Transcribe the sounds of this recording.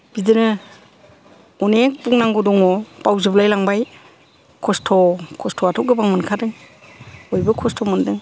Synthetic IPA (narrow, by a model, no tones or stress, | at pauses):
b̥izɯnɯ | ɔnek̚puŋnaŋɡɔdɔŋɔpawziblajlaŋbaj | kʰɔstʰɔkʰɔstʰɔatʰɔk̚ɡɯbaŋmɯnkʰadɯŋ | ɔjbɯkʰɔstʰɔmɯndɯŋ